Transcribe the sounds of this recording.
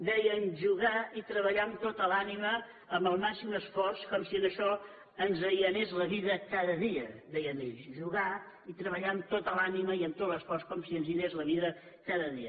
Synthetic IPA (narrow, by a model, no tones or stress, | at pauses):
d̪ɛjənʒuɣait̪ɾəβəʎamt̪ot̪əlaniməː | mbəlˠmasiməsfɔrskɔmsiənəʃɔ | ənzəjənezləβiðəkaðəðiəd̪ɛjəmeʎʃʒuɣa | it̪ɾəβəʎamt̪ot̪əlaniməiəmt̪ot̪ləsfɔrskɔmsiənzinezləβiðə | kaðəðiə